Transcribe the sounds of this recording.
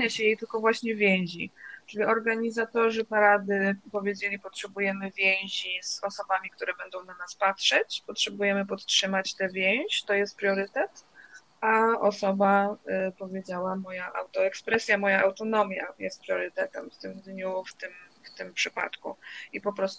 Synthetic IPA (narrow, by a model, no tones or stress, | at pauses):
ɲaɕɛjejt̪ɘlkɔvwaɕɲɛvʲjɛ̃w̃ʑit͡ʂɘlʲiɔɾɡaɲizat̪ɔʐɘpaɾad̪ɘpɔvʲjed͡ʑelʲipɔtʂɛbujɛmɘvʲjɛ̃w̃ʑiz̥ɔsɔbamʲikt̪uɾɛbɛnd̪ɔ̃w̃nanaspatʂɛt͡ɕpɔtʂɛbujɛmɘpɔt̪tʂɘmat͡ɕt̪ɛvʲjɛw̃ʑt̪ɔjɛst̪pɾʲjɔɾɘt̪ɛt̪ | aɔsɔbapɔvʲjed͡ʑawamɔjaʔa̰wt̪ɔɛkspɾɛsʲjamɔjaʔawt̪ɔnɔmʲjajɛst̪̚pɾʲjɔɾɘt̪ɛt̪ɛmft̪ɘmd̪ɲuft̪ɘmft̪ɘmpʂɘpa̰t̪kṵipɔpɾɔst̪